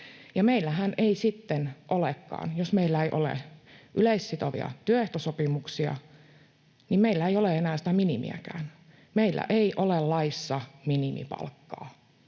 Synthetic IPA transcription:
jɑmeilːæɦænʔeisit̪ːenʔolekːɑ̰ːnjosmeilːæeiʔo̰lḛʔyleisːit̪oʋḭɑ̰t̪yøeht̪osopimuksiɑ̰ | nimmeilːæeijoleenæːsit̪æminimḭæ̰kæ̰ːn | meilːæ̰ʔeiʔolellɑisːɑminimḭpɑ̰lkːɑ̰ː

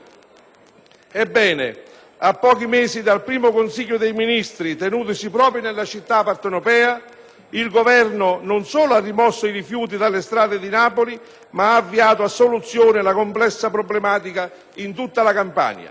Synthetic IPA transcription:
ɛbːɛːnḛ | apːɔːkimeːzid̪alpɾiːmʊkonsiʎːʊd̪ejminist̪ɾit̪enuːt̪̬isipɾɔːpɾjonelːat͡ʃit̪ːapːart̪wɾopɛːa | ilɡovɛrnonʊnsoːloarːimɔsːoiɾifjuːt̪̬id̪alːest̪ɾaːd̪ed̪inaːpoli | maaːvːiaːt̪oasːolut̪sːjoːnɪlakomplɛsːapɾoblemaːt̪̬ika | int̪ut̪ːalakampa̰ɲa̰

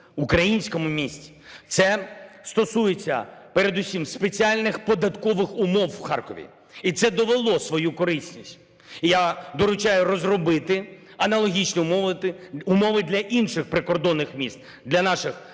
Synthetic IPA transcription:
ʊkɾɐjinʲsʲkɔmʊmʲisʲtʲi̥ | t̪sɛst̪ɔsujet͡sʲːɐ̰peɾe̞d̪usʲimspet͡sʲialʲnɪxpɔd̪ɐt̪kɔʋɪxʊmɔwːxɑrkɔʋʲḭ | it̪sɛd̪ɔʋelˠɔsʋɔjukɔɾɪsʲnʲisʲtʲ | ijad̪ɔɾʊt͡ʃajʊɾɔzrɔbɪt̪ɪ | ɐnɐlˠɔɦʲit͡ʃnʲim | ʊmɔʋɪd̪lʲɐʔinʃɪxpɾɪkɔrd̪ɔnːɪxmʲist̪̚ | d̪lʲɐnɑʃɪx

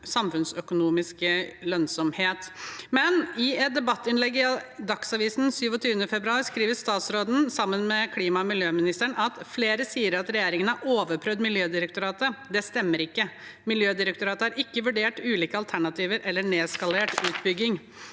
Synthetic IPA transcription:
sɑmfʉnsœkʊnuːmɪskəlœnsɔmheːt̪mɛnɪɛt̪̚d̪ɛbɑt̪ːɪnlɛɡːd̪ɑksɑʋiːsnsyːʋɔt̪ʰyːʋənəfɛbɾʉɑːɾskɾiːʋəst̪ɑːt̪sɾoːd̪n̩sɑmːənmɛkʰliːmɑmɪljøːmɪnɪst̪əɳʔɑt̪fleːɾəsiːəɾɑt̪ɾɛjeːɾɪŋənəɑɾoːʋəɾpʰɾœd̪mɪljøːd̪ɪɾəkt̪ʊɾɑːt̪əd̪ɛst̪ɛmːəɾɪkːəmɪljøːd̪ɪɾək̚t̪ʊɾɑːt̪əhɑɾɪkːəʋʉɖeːʈʉːliːkəɑlt̪ʰæɳɑt̪ʰiːʋəɾʔɛlːəɳeːskɑleːʈʉːt̪bʏɡːɪŋ

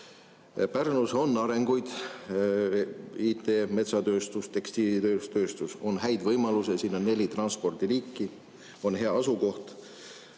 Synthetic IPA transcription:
pærnuso̞nːɑɾe̞ŋɡ̥ujd̪̥ | iːt̪ːˑeme̞t̪sɑt̪øːst̪ust̪e̞kst̪iːlit̪øst̪øːst̪uso̞nhæjd̪̥vɤjmɑlusesiːno̞nːe̞lʲit̪rɑnspo̞rd̪̥iɾiːkːi | o̞nɦe̞ɑɑsuko̞ht̪

